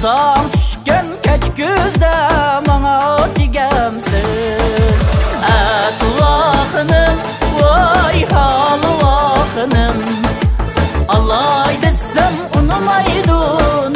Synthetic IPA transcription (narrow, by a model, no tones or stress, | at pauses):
zɑŋt͡ʃ̪ʰy̥ʃkʲɛnkʲʰæt͡ʃkʲyzd̪ɛmɑŋɑd̪ɪɡʲɛmsɪ | zæt̪ʊlɑχənɨm | wojhɑlˠɨwɑχənɨm | ɑlˠɑjd̪ɨssæm | ʊnɨmɑjd̪ʊ